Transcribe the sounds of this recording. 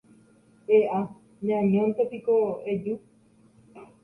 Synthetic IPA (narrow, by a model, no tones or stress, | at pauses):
eʔa | ɲãɲõnt̪epikoed͡ʒu